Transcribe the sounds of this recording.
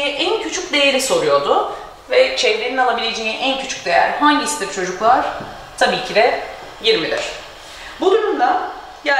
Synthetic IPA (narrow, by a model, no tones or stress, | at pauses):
jɛʔæncʰyt͡ʃʰycd̪e̞jeɾiso̞ɾujo̞d̪ʊ | vɛt͡ʃʰevleɾinalˠabilʲe̞d͡ʒejiʔæncʰyt͡ʃʰy̥c̚d̪e̞jæ̰ɾhaɲɟisid̪ɛɾt͡ʃʰo̞d͡ʒuklˠaɾ̥ | t̪ʰabiːcʰid̪ɛ | jiɾmid̪ɪ̰ɾ̥ | bud̪uɾumd̪ˠa | ja